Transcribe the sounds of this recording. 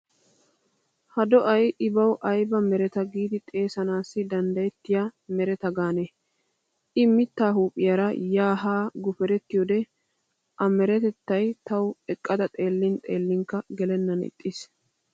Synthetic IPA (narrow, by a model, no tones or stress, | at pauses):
hɐd̪ɔʔɐjɪbɐwʔɐjbɐmɛɾɛt̪ɐɡiːd̪ɪt̪ʼe̞ːsɐnaːsːɪd̪ɐnd̪ɐjɛt̪ːɪjamɛɾɛt̪ɐɡaːne | ʔɪmɪt̪ːaːɦuːpʼːɪjɐɾɐjaːɦaːɡʊfɛɾɛt̪ːɪjod̪ɛ | ʔɐmɛɾɛt̪ɛt̪ːɐjt̪ɐwɛkʼːɐd̪ɐt̪ʼe̞ːlːɪnt̪ʼe̞ːlːɪŋkːɐɡɛlɛnːɐnɪ̰t̪ʼːɪs